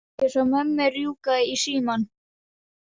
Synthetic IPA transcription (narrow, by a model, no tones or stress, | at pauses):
ɪsɔmɛmːɛrjuːkaðɪisiːman